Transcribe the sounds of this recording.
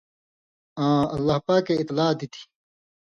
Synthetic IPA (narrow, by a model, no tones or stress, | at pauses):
ãːɐlːɐhpaːkeɪt̪laːd̪it̪ʰi̥